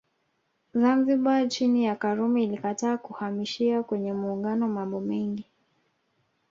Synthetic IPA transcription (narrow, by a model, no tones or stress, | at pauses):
zanziɓat͡ʃinijakaɾumɛilikataːkuhamiʃiakwɛɲɛmuːŋɡanɔmambɔmɛŋɡi